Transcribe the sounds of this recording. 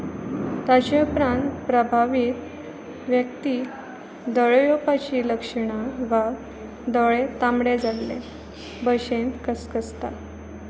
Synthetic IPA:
t̪at͡ɕeupɾãnt̪pɾəbʱaʋiːt̪ | ʋjək̚t̪iː | d̪ɔɭjopat͡ɕiːləkʂəɳaʋa | d̪ɔɭet̪amɽed͡zalːḛ | bəɕent̪kəskəst̪a̰

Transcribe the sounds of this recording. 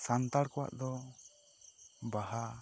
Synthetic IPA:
sant̪aɽkɔwa̰ʔd̪ɔ | baɦa

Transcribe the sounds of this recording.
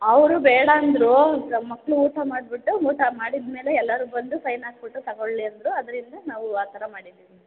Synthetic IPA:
ɐʋɐɾubɛːɽɐːnd̪ɾumɐkːɐɭuuːʈ̪ɐmaːɽbiʈːuuːʈ̪ʰɐmaːɽid̪me̞ːle̞ɛlːɐɾubɐnd̪usɐjnaːsbiʈːut̪ɐɡoɭliɐnd̪ɾuɐd̪ɐɾind̪ɐnaːʋuaːt̪ʰɐɾɐmaːɽid̪iːʋi

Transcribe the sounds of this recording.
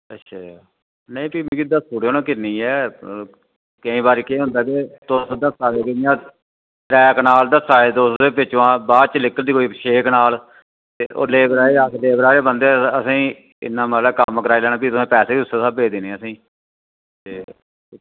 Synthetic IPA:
ətːʃʰa | nəĩːpiːmĩːkid̪əsuːɽoːnãːkɪnĩːɛː | kəĩːbaːɾiːkẽːɦʊ̃nd̪aːkeːt̪ʊsd̪əsaːʋeːkɪnjãː | ɾɛːknaːld̪əsaːeːd̪oːseːpɪt͡ʃːãːbaːt͡ʃəlɪkːəld̪iːkoːiʃeːknaːl | t̪eːʔo̰ːleːbɾaːeːasleːbɾaːɾeːbənd̪eːəsĩː | ɪ̰nːãːməlɛːkəməkəɾaːilɛːɽ̃aːpiːt̪ʊsẽːpɛːseːiʊsːeːsaːbeːd̪eːneːəsĩː | t̪eː

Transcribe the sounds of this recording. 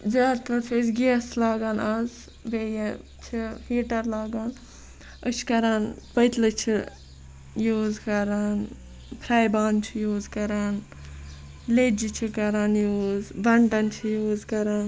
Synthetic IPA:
zaːt̪ɐt͡ʃʰezɡislaːɡaːnɐz | bejɐ | t͡ʃʰifiːʈɐɾlaːɡaːn | əʃʰkɐɾaːnpəjt̪lɨt͡ʃʰi | juːzkɐɾaːn | pʰɾaːjbaːnt͡ʃʰijuːzkɐɾaːn | led͡ʒit͡ʃʰikɐɾaːnjuːzbɐɳʈɐnt͡ʃʰijuːzkɐɾaːn

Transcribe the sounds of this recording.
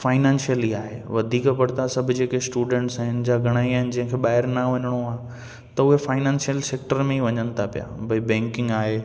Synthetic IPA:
faːɪnãːnsijəliaːɦḛːʋɐd̪ʱiːkpɐɽt̪asɐbʱʊd͡ʑeːkesʈuːɖẽːɳʈsaːɦɪnɪ̆d͡ʑaːɡʱɐɽ̃aːiaːɦɪnɪ̆d͡ʑɐ̃ɦɪ̃kʰeɓaːɦɪɾnɐʋɐɲəɽ̃oaː | t̪ɐʊɦefaːɪnãːnsjəlseːk̚ʈəɾmẽiʋɐɲənɪ̆t̪ʰapija̰bʱɐibɛ̃ːŋkɪ̃ŋɡaːɦeː

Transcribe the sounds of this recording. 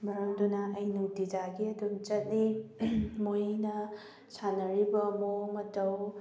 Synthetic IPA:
mɐɾɐmdunaɐjnudid͡ʒaɡiɐdunt͡ʃɐt̚li | mojnɐ | sanɐɾibɐmomɐtɐw

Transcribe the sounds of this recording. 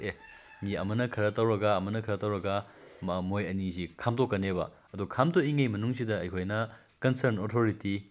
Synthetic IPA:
e | ŋiɐ̰mɐnɐkʰɐɾɐtɐwɾɐɡaːmɐnɐkʰɐɾɐtɐwɾɐɡɐmojɐnisikʰamtokːɐnebɐ̰ | ɐdukʰamtoiŋɐjmɐnuŋsidɐɐjkʰojnɐ | kɐnsɐɾnotʰoɾiti

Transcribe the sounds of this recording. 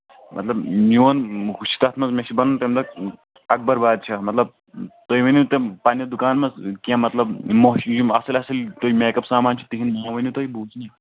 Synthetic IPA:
mʔɐt̪lɐbmoːnɦuʃi̥t̪ɐt̪ʰmɐzmeʃibɐnunt̪emd̪ɐk̚ | ɐk̚bɐɾbaːd̪̚t͡ʃʰɐmɐt̪lɐb̚ | t̪oiʋɐnjut̪ẽpaːnɐd̪ukaːnmɐzkiãmɐt̪lɐbmojuɐsɐlʲɐsɐlt̪oimeːkɐpsaːmaːnt͡ʃʰi̥t̪iɦinmoːʋɐnjut̪oibuːzni

